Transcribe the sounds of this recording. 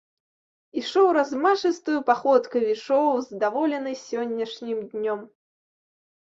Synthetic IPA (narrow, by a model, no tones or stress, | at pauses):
iʂɔwɾazmaʂɨst̪ujupaxɔt̪kɐvʲit͡ʂɔwzd̪avɔlʲɛnɨsʲɔnʲːɐʂnʲimd̪ʲnʲɔm